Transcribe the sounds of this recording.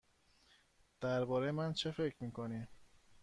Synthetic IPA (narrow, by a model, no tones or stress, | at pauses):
d̪̥æɾbɒːɾejemænt͡ʃʰefe̞cʰɾmiːkʰonim